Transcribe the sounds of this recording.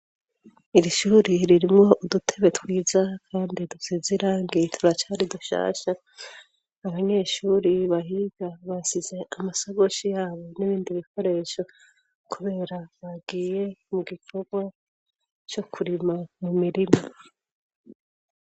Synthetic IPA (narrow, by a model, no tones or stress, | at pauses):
iɾiʃuːɾiɾiɾimŋo̞ʔudutʰe̞βe̞twiːzakʰaːndidusiziɾaːŋɡitʰuɾat͡ʃaːɾiduʃa̰ːʃaː | βaɲe̞ːʃuːɾiβaɦiɡ̥aβasize̞amasoβo̞ʃijaːβo̞niβiːndiβikʰo̞ɾe̞ʃo̞ | kuβe̞ːɾaβaɡiːje̞muɡikʰo̞ɡwa | t͡ʃo̞kʰuɾimamumiɾimo